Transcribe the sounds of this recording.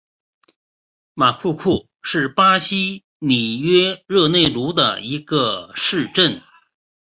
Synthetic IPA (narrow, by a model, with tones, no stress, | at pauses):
ma˨˩kʰu˥˧kʰu˥˩ | ʂɻ̩˥˩pa˥ɕi˥ | ni˨˩ɥɛ˥ɻɤ˥˧ne˥˩ɪlu˧˥d̪ə̰˧i˧˥ɡə˧ʂɻ̩˥˧ʈ͡ʂə˥˩n